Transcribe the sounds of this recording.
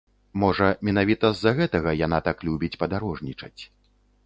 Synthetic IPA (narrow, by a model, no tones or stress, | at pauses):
mɔʐɐmʲɛnavʲit̪ɐzːaɣɛt̪ɐɣɐjanat̪aklʲubʲit͡sʲpɐd̪aɾɔʐnʲit͡ʂɐt͡sʲ